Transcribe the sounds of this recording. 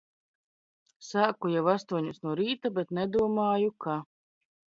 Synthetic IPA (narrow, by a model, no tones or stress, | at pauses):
saːkujɛwast̪uɔɲusnuɔɾiːt̪abɛt̪nɛd̪uɔmaːjukʰa